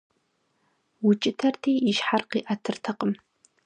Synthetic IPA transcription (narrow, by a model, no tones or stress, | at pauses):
wʊt͡ʃʼɪtʰɐrtʰeːjiʃħarqiːʔɐtʰɨrtʰɐqəm